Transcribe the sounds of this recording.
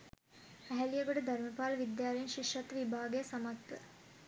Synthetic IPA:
æɦælijəɡoʈəd̪ɐɾməpaːlʋid̪jaːleinʃiʃɐt̪ʋibʱaːɡejəsamat̪ʋə

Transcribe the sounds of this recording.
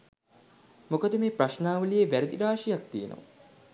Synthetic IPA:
mokəd̪əmeːpraʃnaːʋəlijeʋæɾed̪iɾaːʂijak̚t̪ijenə̰ʋa̰

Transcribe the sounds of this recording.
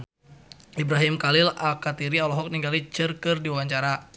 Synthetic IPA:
ibɾaɦimkalilakat̪iɾialɔɦɔk̚niŋɡalit͡ʃɨrkɨrdiwaɲt͡ʃaɾa

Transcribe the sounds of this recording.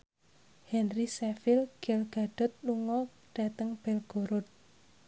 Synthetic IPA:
hɛnrisɛfɪlɡɛlɡ̥a̤ɖ̥ɔ̤t̪̚luŋɔ | ɖ̥a̤t̪əŋb̥ɛlɡ̥oɾʊt̪̚

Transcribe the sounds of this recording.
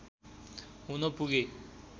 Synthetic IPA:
ɦunʌpuɡe

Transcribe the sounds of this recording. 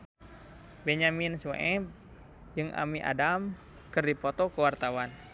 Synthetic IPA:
bɛɲaminsuḛʔɛb̚ | d͡ʒɨŋʔa̰miʔa̰dam | kɨrdipɔt̪ɔkəwart̪awan

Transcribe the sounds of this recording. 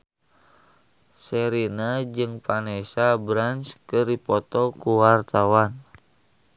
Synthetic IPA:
sɛɾinad͡ʒɨŋpanesabɾanskəripɔt̪ɔkuwart̪awan

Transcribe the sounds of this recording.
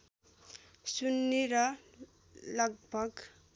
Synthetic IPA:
sunːiɾʌ | lʌɡbʱʌɡ

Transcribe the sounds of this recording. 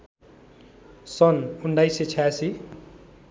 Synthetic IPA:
sʌnuɳɖajset͡sʰajasi

